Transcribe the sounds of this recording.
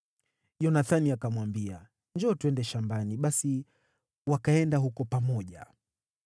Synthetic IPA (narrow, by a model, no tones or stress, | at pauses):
ʄɔnaθaniakamwambia | ɲd͡ʒɔːtuɛndɛʃambaniɓasi | wakaɛndaɦukɔpamɔʄa̰